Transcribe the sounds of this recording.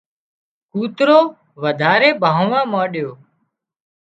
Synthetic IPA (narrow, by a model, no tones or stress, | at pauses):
kuːt̪ɾoː | ʋəd̪ʱaːɾeːbʱãːʊʋãːmaːɗjoː